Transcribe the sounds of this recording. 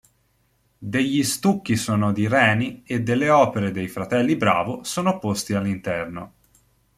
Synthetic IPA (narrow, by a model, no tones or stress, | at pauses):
d̪eʎːist̪ukːisoːnod̪iɾɛːnied̪ːelːeɔːpeɾed̪ejfɾat̪ɛlːibɾa̰ːvosoːnopost̪ialːint̪ɛrno̰